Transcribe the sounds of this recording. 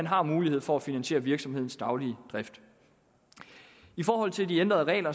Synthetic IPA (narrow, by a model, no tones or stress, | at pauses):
ænɦɑ̈muːlihe̝ð̞̰ˠfɒ̽æfinænɕe̝̰ːɐʋiɐɡ̥sɒ̽mhe̝ð̰ˠn̩sd̥ɑ̈ʊliəd̥ʁɛfd̥ | ifɒːɦɒ̽l̰t͡sʰe̝ld̥iend̥ʁɐðˠʁɛ̰ːlɐ